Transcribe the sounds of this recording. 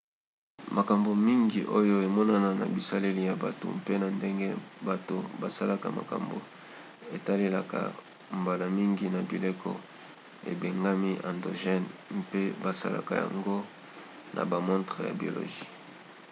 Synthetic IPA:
ma˨ka˨mbo˨mi˦ŋɡi˨ʔo˦jo˦e˨mɔ˦na˦na˨na̰˨bi˨sa˦le˦li˦ja˨ba˨to̰˨mpe˦na˨nde˦ŋɡe˦ba˨to˨ba˨sa˦la˦ka˨ma̰˨ka̰˨mbo̰˨ | e˨ta˦le˦la˨ka̰˨ | mba˨la˨mi˦ŋɡi˨na˨bi˨le˦kɔ̰˦ | ḛ˨be˨ŋɡa˦mi˦ʔa̰˨ndo˨ʒɛ˦npe˦ba˨sa̰˦la̰˨ka˨ja̰˨ŋɡo˦ | nʔa̰˨ba˨mɔ̃˦tʁe˨ja̰˨bi˨o˨lo̰˨ʒi˦

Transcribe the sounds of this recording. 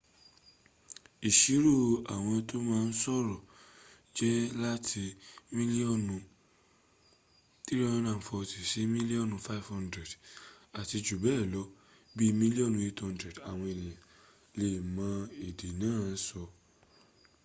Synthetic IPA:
i˨ʃi˨˦ɾu˦˨a˨w̃ɔ̃˧to˦mãː˦˧n̩˦sɔ˦˨ɾɔ˨ | d͡ʒɛ˦la˦tʰi˧mĩ˦li˦ɔ˦˨nũ˧ | t̪ɾɾi˦ɔ̃˦nã˦˨fɔ˧ti˨si˨˦mĩ˦li˦ɔ˦˨nũ˨˧fa˦i˨fhã˦˧ndɾɛ˨da˨ti˧d͡ʒu˨bɛː˦˨lɔ˨˦ | bi˦mĩ˦li˦ɔ˦˨nũ˧i˧tɔ̃˧ndɾɛ˨da˨w̃ɔ̃˧e˨lĩ˨jã˨ | le˨mã˨˦e˨de˨nãː˦˨n̩˦sɔ˧

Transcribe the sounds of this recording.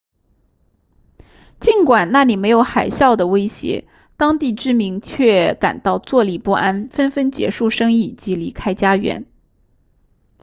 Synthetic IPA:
t͡ɕi˧˥nkwa˨˩nna˥˩li˨˩me˧˥ɪjo˧˥ʊxa˨˩ɪɕjɑ˥˩ʊd̪ə˩we˥ɪɕjɛ̰˧˥ | t̪ɑ˥ŋt̪i˥˩ʈ͡ʂɻ̩˥mi˧˥ŋt͡ɕʰɥɛ˥˩ka̰˨˩nt̪ɑ˥˧ʊt͡swɔ˥˩li˨˩pu˥˩ʔa˥nfə˥nfə˥nt͡ɕjɛ̰˧˥ʂu˥˩ʂɤ˥ŋi˥˩t͡ɕi˧˥li˧˥kʰa˥ɪt͡ɕja˥ɥɛ̰˧˥n

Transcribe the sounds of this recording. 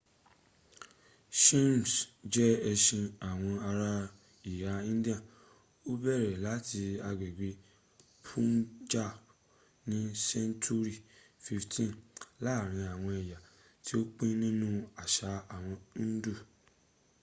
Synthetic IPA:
ʃẽ˦m˨sd͡ʒɛ˦ɛ˧ʃĩ˧a˨w̃ɔ̃˧a˧ɾa˧ | i˨ja˨˦ĩ˦di˦ã˦˨ | o˦bɛ˦˨ɾɛ˨la˨˦ti˧a˧ɡ͡be˨ɡ͡be˨˧ | pʰũ˦nd͡ʒa˦˨ | nĩ˦sɛ˦ntʰu˦ɾi˦˨fi˧ftĩ˦˨nla˦˨ɾ̃ĩ˧a˨w̃ɔ̃˧ɛ˨ja˨ | ti˦o˦k͡pẽ˦nĩ˦nũ˦a˨ʃa˨˦a˨w̃ɔ̃˧˦du˦˨

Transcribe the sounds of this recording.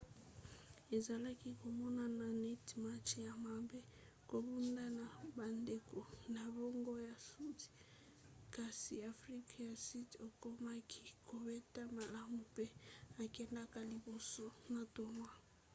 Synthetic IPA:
e˨za˨la˦ki˦ko˨mɔ˦na˦na˨nɛ˦tma˦t͡ʃja˨ma˨be˦ | ko˨bu˦nda˦na˨ba˨nde˨ko˨na˨bɔ˦ŋɡo˦ja˨su˦ti̥˨ | ka˨si˨a˨fri˦ka˦ja˨si˦to˨ko˦ma˦kʰi̥˦kʰo˨bɛ˦ta˦ma˨la˦mu˨pe˦a˨kɛ˦nda˦ka˦li˨bo˨so˦na˨to˨ma˦

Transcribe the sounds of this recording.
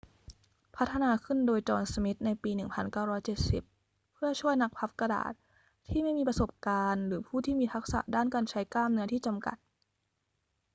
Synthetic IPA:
pʰa˦˥t̪ʰːa˧naː˧kʰɯ˥˩ndoː˧jt͡ɕɔː˧nsa˧mi˦˥t̪̚na˧jpiː˧nɯ˨˩ŋpʰa˧nkaː˥˩wɾɔː˦˥jt͡ɕe˨˩t̪̚sḭ˨˩p̚ʰː | ɯ˥˩ɐt͡ɕʰu˥˩əjna˦˥k̚pʰa˦˥p̚ka˧da̰ː˨˩t̪̚ʰː | iː˥˩ma˥˩jmiː˧pɾa˧so˨˩p̚kaː˧nɾɯː˩˦pʰuː˥˩t̪ʰiː˥˩miː˧t̪ʰa˦˥k̚sa̰˨˩ʔdaː˥˩nkaː˧nt͡ɕʰa˦˥jklaː˥˩mnɯ˦˥ɐt̪ʰiː˥˩t͡ɕa˧mka̰˨˩t̪̚

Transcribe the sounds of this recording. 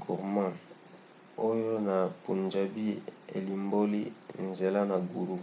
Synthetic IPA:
ɡṵ˨ʁmã˦˨ | o˦jo˦na˨pṵ˨nd͡ʒa˨bi˦ḛ˨li˨mbo˦li˦nze˨la˦na˨ɡu˨ɾu˦

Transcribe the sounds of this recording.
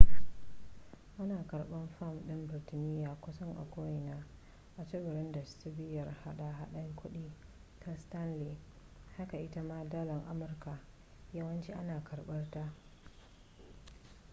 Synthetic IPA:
ʔa˦naː˨kɐ˨rɓɐ˦mɸa˦˨mɗɪ˦mbɪ˨rtɪ˨nɪː˦jaː˨kʷʊ˦sɐ˦ŋʔa̰˨kʷoː˦jɪ˨naː˦ | ʔa˨t͡ʃɐ˦bʊ˨ɾɪ˦ndɐ˨ssɪ˦bɪ˦jɐ˨rha˦ɗa˨ɦa˦ɗɐ˦ŋkʷʊ˦ɗiː˦ | tʰa˦sta˦nli˨ | ha˦ka˨ʔɪ˦ta˦maː˦daː˦lɐ˨ŋʔa˦mʊ˨rka˨ | jɐ˦wɐ˦nt͡ʃi˦ʔa˦naː˨kʰɐ˨rɓɐ˦rta˦

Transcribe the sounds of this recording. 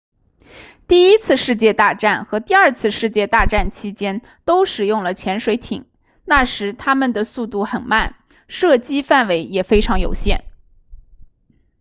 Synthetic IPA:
t̪i˥˩i˥t͡sʰɹ̩˥˧ʂɻ̩˥˧t͡ɕjɛ˥˧t̪a˥˧ʈ͡ʂa˥˩nxɤ˧˥t̪i˥˧ɐ˞˥˧t͡sʰɹ̩˥˧ʂɻ̩˥˧t͡ɕjɛ˥˧t̪a˥˧ʈ͡ʂa˥˩nt͡ɕʰi˥t͡ɕjɛ˥n | t̪o˥ʊʂɻ̩˨˩jʊ˥˩ŋlə˩t͡ɕʰjɛ˧˥nʂwe˧˥ɪt̪ʰḭ˨˩˦ŋ | na˥˩ʂɻ̩˧˥t̪ʰa˥mə˨nd̪ə˩su˥˧t̪u˥˩xə˨˩nma˥˩n | ʂɤ˥˩t͡ɕi˥fa˥˩nwe˧˥ɪjɛ˨˩fe˥ɪʈ͡ʂʰɑ˧˥ŋjo˨˩ʊɕjɛ̰˥˩n

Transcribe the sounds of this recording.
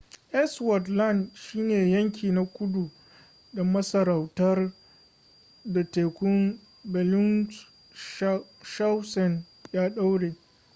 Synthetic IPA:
ʔɛ˦swɐ˨tla˦˨ndʃiː˦neː˨jɐ˦ŋk̬ʲiː˨na˦kʷʊ˦du˨ | dɐ˨mɐ˦sɐ˨ɾa˨wtɐ˦r | da˨teː˨kʷʊ˦m | bɛ˨lʊ˦n | ʃa˦wsɔ˨n | jaː˦ɗa˦wɽeː˨

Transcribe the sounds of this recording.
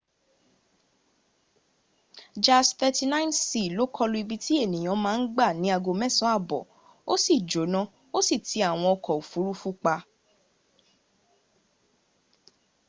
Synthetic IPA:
d͡ʒa˦st̪ɛ˧ti˧nã˦nsi˨lo˨˦kʰɔ˦lu˧˦i˧bi˧ti˦e˦˨nĩ˨j̃ɔ̃˨˧˦mãː˦n̩˦ɡ͡ba˦˨nĩ˨˦a˧ɡo˧mɛ˦˨sɔ̃˨˦a˦˨bɔ̰˨ | o˦si˦˨d͡ʒo˨˦nã˦ | o˦si˦˨tʰi˨˦a˦˨w̃ɔ̃˧ɔ˧kɔ˨u˨fu˨˦ɾu˦fu˦k͡pa˧

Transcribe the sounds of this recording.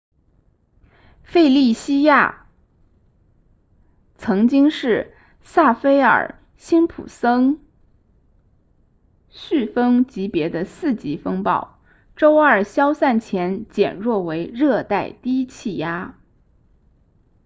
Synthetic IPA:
fe˥˧ɪli˥˩ɕi˥ja̰˥˩ | t͡sʰɤ˧˥ŋt͡ɕi˥ŋʂɻ̩˥˩ | sa˥˩fe˥ɪə̰˞˨˩ | ɕi˥npʰṵ˨˩sɤ˥ŋ | ɕy˥˩fɤ˥ŋt͡ɕi˧˥pjɛ˧˥d̪ə˧sɹ̩˥˩t͡ɕi˧˥fɤ˥ŋpɑ̰˥˩ʊ | ʈ͡ʂo˥ʊə˞˨˩ɕjɑ˥ʊsa˥˩nt͡ɕʰjɛ˧˥nt͡ɕjɛ̰˨˩nɻwɔ˥˩we˧˥ɪɻɤ˥˧t̪a˥˩ɪt̪i˥t͡ɕʰi˥˩ja˥

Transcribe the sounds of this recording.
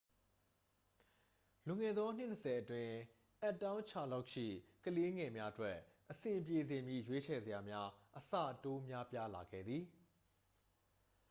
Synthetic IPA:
lʊ̃˨ŋɛ˨d̪ðɔ˦n̥ɪ˦˨nəsɛ˨ʔətwɪ̃˨ | ʔɛ˦ʔtːã˦ʊ̃ɲt͡ɕʰa̰˦˨la˦ʊʔʃḭ˦˨kəle˦ŋɛ˨mja˦ʔətwɛ˦ʔʔəsɪ̃˨mpje˨zɪ̃˨mjḭ˦˨jwe˦t͡ɕʰɛ˨zə˨ja˨mja˦ʔəsa̰˦˨to˦mja˦pja˦la˨ɡɛ̰˦˨d̪ði˨

